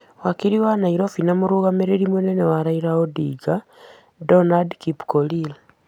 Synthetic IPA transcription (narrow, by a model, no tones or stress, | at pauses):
wakiɾiwanaiɾofinamuɾuɣameɾeɾimwunenewaɾaiɾaodiːɡa | donadkipkolil